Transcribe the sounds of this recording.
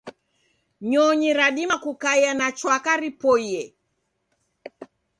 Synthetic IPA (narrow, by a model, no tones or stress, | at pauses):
ɲɔɲiɾaɗimakukajanat͡ʃwakaɾipɔjɛ